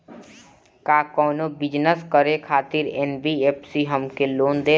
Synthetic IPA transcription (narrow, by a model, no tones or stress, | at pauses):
kaːkɔːnobɪd͡ʒnəskəɾekʰaːt̪ɪɾeːnbieːpsiɦəmkeloːnd̪eː